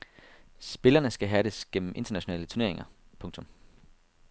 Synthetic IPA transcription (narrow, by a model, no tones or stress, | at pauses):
sb̥e̝lɐnəsɡ̥æɦæɾesɡ̥em̰m̩ʔe̝nd̥ɐnæɕo̝nɛ̰ːlət͡sʰuɐne̝ɐe̝ŋɐ | pʰɔ̽ŋt͡sʰɔ̽m